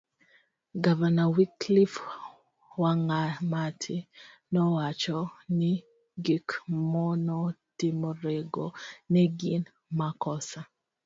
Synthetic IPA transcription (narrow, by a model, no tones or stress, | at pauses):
ɡavanawiklif | waŋamatʰɪnɔwat͡ʃɔni | ɡikmɔnɔtimoɾeɡonɛɡin | makɔsa